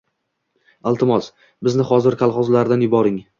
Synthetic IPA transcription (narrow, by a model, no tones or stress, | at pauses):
ɪlˠt̪ʰɪmɒs | bɪznɪχɒzɪɾkʰʲalˠχɒzlaɾd̪anjʊbɒɾɪŋ